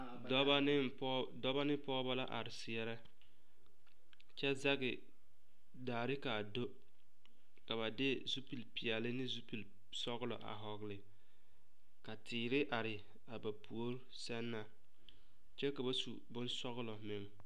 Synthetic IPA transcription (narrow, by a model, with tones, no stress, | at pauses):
dɔ˦ɪ˦dɔ˦ba˦nɪ˦pɔ˦ba˦la˦ʔa̰˨ɾɪ˨sɪ˨ɛ˦ɾɛ˦ | t͡ʃɛ˦za˦ɣɪ˨ | daː˨ɾɪ˦ka˨do˦ | ka˨βa˨dɪ˦zu˦pi˨lpi˨ɛ˨lɪ˦nɪ˦zu˦pi˨l | sɔ˦ɣlɔ̰˨ʔa̰˨ɦɔ˨ɣlɪ˨ | ka˨tʰɪː˨ɾɪ˦ʔa˨ɾɪ˨ | a˨ba˨pu˨o˦ɾsɛ˦nːa˨ | t͡ʃɛ˦ka˨ba˦sṵ˨bʊ˦nsɔ˦ɣlɔ˨mɪ˦ŋ